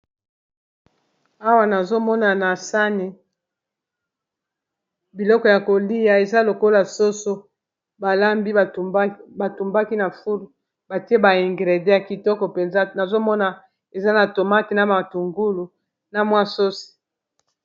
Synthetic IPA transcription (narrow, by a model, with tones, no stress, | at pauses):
a˦wa˦na˨zo˦mɔ˦na˨na˨sa˦ne˨ | bi˨lɔ˦kɔ˨ja˨ko˨li˦ja˨e˨za˦lo˨ko˦la˨so˦so˦ | ba˨la˦mbi˦˨ba˨tu˨mba˦ki˦na˨fu˦l | ba˨te˦ba˨i˨ŋɡʁe˨de˦a˨ki˨tɔ˦kɔ˨pe˨nza˦na˨zo˦mɔ˦na˨ | e˨za˦na˨to˨ma˦te˨na˨ma˨tu˨ŋɡu˦lu˨ | na˨mwa˦so˦si̥˨